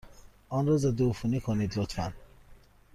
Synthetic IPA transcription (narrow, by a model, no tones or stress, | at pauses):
ʔɒːnɾɒːzæd̪eufunikʰoniːd̪lot̪ʰfæn